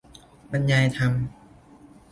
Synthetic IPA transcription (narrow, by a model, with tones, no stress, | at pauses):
ba˧nja˧jt̪ʰa˧m